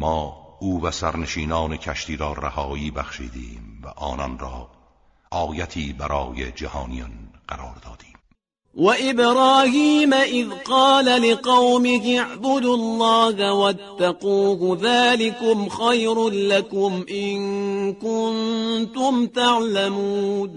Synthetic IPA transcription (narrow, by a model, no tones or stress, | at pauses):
mɒːʔuːvæsæɾneʃiːnɑːnecʰæʃt̪iːɾɒːɾa̰hɒːiːbæxʃḭːd̪ḭːmvæʔɒːnɒnrɑː | ʔɒːjæt̪ʰiːbæɾɒːjḛd͡ʒæhɑːnijɑnɢ̥æɾɒːɾd̪ɒːd̪̥iːm | waʔɪbɾɑːhiːmaʔɪðqɑːlalɪqɑwmɪkɪʕbʊd̪ʊlˤːɑːhwat̪ːaquːhðaːlɪkʊmxajɾlakʊmʔɪnkʊnt̪ʊmt̪aʕlamuːn